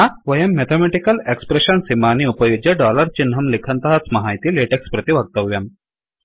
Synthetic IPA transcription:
aʋɐjɐmːet̪ʰemeʈikɐlekspɾeɕɐnsimaniupɐjud͡ʒɐɖɔlɐɾt͡ɕinɦɐmlikʰɐnt̪ɐɦɐsmɐɦajt̪ileʈekspɾɐt̪iʋɐɡ̚t̪ɐʋjɐm

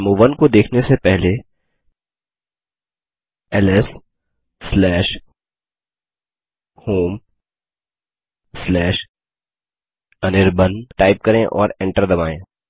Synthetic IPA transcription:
muːʋənkod̪eːkʰnesepɛɦle | ɛlɛsː | lɛːʃ | hoːm | slɛːʃ | ɐnɪɾbənʈaːɪp̚kɐɾẽʔɔ̰ːɾẽːɳʈəɾd̪ɐbaːẽː

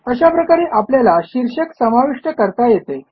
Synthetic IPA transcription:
əɕapɾəkaɾeʔapljalaɕiɾɕəksəmaʋiʂʈəkəɾt̪ajet̪e

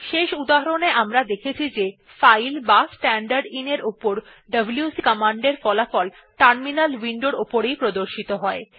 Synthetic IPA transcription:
ʃeʃud̪aɦaɾoneʔamɾad̪ekʰet͡ɕʰid͡ʑe | fajlbasʈɛɳɖaɾɖineɾopoɾ | ɖəbljusikəmaɳɖeɾfɔlafɔl | ʈəɾminalwiɳɖoɾopoɾejpɾod̪oɾʃit̪oɦɔe

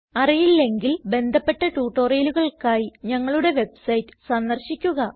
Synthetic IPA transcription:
ɐrijilːe̞ŋɡilbe̞nd̪ʱɐpːe̞ʈːɐʈuːʈːoːrɐjluɣɐɭkaːjiɲɐŋːɐɭuɽe̞ʋe̞bsɐjtːɨ̥sɐnd̪ɐrɕikʲːuɣɐ

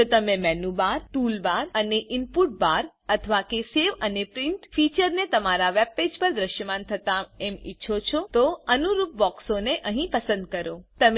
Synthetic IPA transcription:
d͡ʒot̪əmemɛnubaɾʈulbaɾəneʔimpuʈ̚baɾ | ət̪ʰəʋakeseʋənepɾɪɳʈfit͡ʃəɾnet̪əmaɾaʋɛb̚ped͡ʒpəɾd̪ɾəʃjəmant̪ʰət̪aɛmḭtːʃʰot͡ʃʰot̪oənuɾup̚bɔksoneʔəɦĩpəsə̃nd̪̚kəɾot̪əm

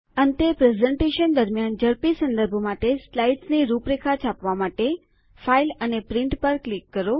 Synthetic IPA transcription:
ənt̪epɾezɛ̃ɳʈeʃənd̪əɾmjand͡ʒəɾpisə̃nd̪əɾbʱomaʈeslaiʈsniɾupɾekʰat͡ʃʰapʋamaʈe | failənepɾɪɳʈpəɾklikːəɾo

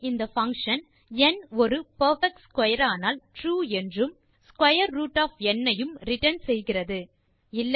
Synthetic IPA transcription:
ɪnd̪ɐfɐŋkʂɐn | ɛnɔɾɯpɐɾfɛk̚ʈskwɐjɐɾaːnaːlʈɾuːɛndrɯm | skwɐjɐɾːuːʈːaːfɛnːɐjɯmɾɪʈɐnsɛjɣɪrɐðɯ | ɪlːɐ

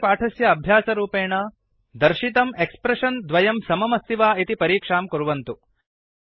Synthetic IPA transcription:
paːʈʰɐsjɐːbʱjaːsɐɾuːpeːɳɐ | d̪ɐɾʃit̪ɐmekspɾɐʂɐnd̪ʋɐjɐmsɐmɐmɐst̪iʋaːit̪ipɐɾiːkʂaːmkuɾuʋɐnt̪u

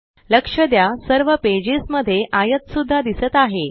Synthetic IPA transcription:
ləkʂəd̪jasəɾʋəped͡ʑisməd̪ʱːjeʔajət̪sud̪ʱːad̪isət̪aɦe

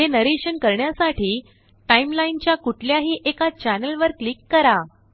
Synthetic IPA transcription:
ɦenəɾeɕənkəɾɳjasaʈʰiː | ʈaimlaint͡ɕjakuʈʰljaɦiːʔekat͡ɕænəlʋəɾklikːəɾa

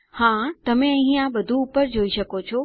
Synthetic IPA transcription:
hãːt̪ɐmẽɐ̃ɦĩãɓɐd̪ʱũːpəɾd͡ʑoːiʃɐkot͡ɕʰoː

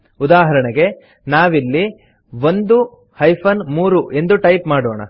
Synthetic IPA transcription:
ud̪aːɦɐɾɐɳɐɡe̞ | naːʋilːi | ʋond̪u | hɐjpʰɐnmuːɾuʔe̞nd̪uʈɐjpmaːɽoːɳɐ̰

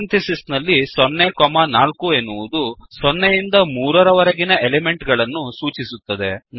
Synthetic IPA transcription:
nt̪isisnɐlːisɔnːekɔmɐnaːlkuenːuʋud̪usɔnːejind̪ɐmuːɾɐɾɐʋɐɾɐɡinɐʔeleme̞ɳʈɡɐɭɐnːusuːt͡ʃisut̪ːɐd̪e̞n

